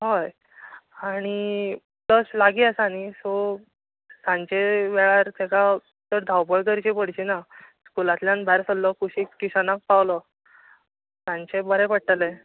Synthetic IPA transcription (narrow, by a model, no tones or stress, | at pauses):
ɦaj | aɽ̃i | ləslaɡiəsanisɔ | sãɲt͡ɕeʋɛɭaɾt̪eka | t̪əɾd̪ʱawpəɭkəɾt͡ɕepəɽ̤t͡ɕinaskulat̪ljãnbʱaɾsəlːɔkuɕikːiɕanak̚pawlɔ | sãɲt͡ɕebəɾɛpəɽ̚ʈəle